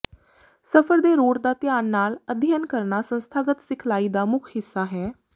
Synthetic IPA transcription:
səpʰəɾd̪eːɾoːɾd̪aːt̪jaːnːaːləd̪ʱjaːnkəɾnaːsə̃nst̪ʰaːɡət̪sɪkʰlaːiːd̪aːmʊkʰhɪsːaːɦɛː

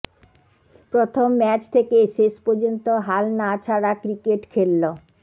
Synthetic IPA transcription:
pɾot̪ʰomːɛt͡ɕt̪ʰekeʃeʃpoɾd͡ʑont̪oɦalnat͡ɕʰaɽakɾikeʈkʰelːo

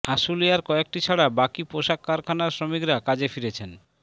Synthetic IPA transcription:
aʃulijaɾkɔek̚ʈit͡ɕʰaɽabakipoʃakːaɾkʰanaɾsɾomikɾakad͡ʑefiɾet͡ɕʰen

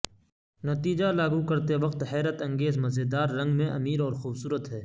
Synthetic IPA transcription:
nɐt̪iːd͡ʒalaːɡukɐɾt̪eʋɐq̚t̪hɛːɾət̪ɐ̃ŋɡeːzmɐzed̪aːɾːɐ̃ŋɡmẽʔɐmiːɾɔːɾxuːbsuːɾət̪ɦɛː

